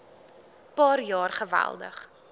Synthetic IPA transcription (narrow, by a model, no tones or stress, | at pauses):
pɑːrjɑːrχəvæ̰lˠdə̰χ